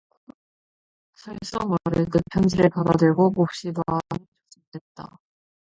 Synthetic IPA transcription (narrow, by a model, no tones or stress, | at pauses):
sʰaɭs͈ʌmaɾɯnɯpʰjʌnd͡ʑiɾepadadɯɭɡomop̚ɕ͈ibanit͡ɕo̥t͡ɕ͈ʰi̥t͈ʰet̚t͈a̰